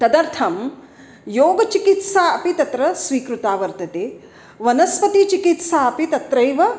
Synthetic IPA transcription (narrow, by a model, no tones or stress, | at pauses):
t̪ɐd̪ɐɾt̪ʰɐm | joːɡɐt͡ʃikit̪saːɐpit̪ɐt̪ɾɐsʋiːkɾut̪aːʋɐɾt̪ɐt̪eː | ʋɐnɐspɐt̪it͡ʃikit̪saːɐpit̪ɐt̪ɾɐjʋɐ